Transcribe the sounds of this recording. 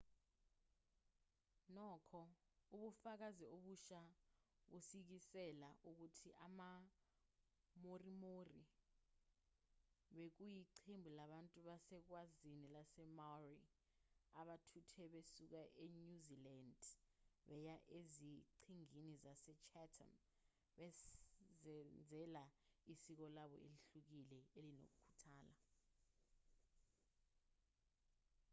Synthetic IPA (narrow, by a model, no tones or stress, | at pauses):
nɔːkʰɔ | uɓufak̬azioɓuʃaɓusik̬isɛlaʔuk̬utʰiʔama | morimori | ɓek̬ujiǀʰembʱulaɓantʼuɓasɛk̬wazinilasɛmari | aɓatʰutʰɛɓesuk̬aʔeɲuzilandɓɛjaʔeziǀʰiŋinizasɛt͡ʃʰɛtʰa̰n | ɓɛzɛnd͡zʱɛlaisik̬ɔlaɓɔ̰eliɬuk̬ilɛelino̰k̬ukʰu̥tʰaːla